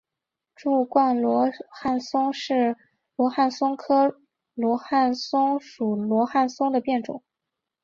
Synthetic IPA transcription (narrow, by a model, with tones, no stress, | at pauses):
ʈ͡ʂu˥˧kwa˥˩nlwɔ˧˥xa˥˩nsʊ˥ŋʂɻ̩˥˩ | lwɔ˧˥xa˥˩nsʊ˥ŋkʰɤ˥ | lwɔ˧˥xa˥˩nsʊ˥ŋʂu˨˩lwɔ˧˥xa˥˩nsʊ˥ŋd̪ə˨pjɛ˥˩nʈ͡ʂʊ̰˨˩˦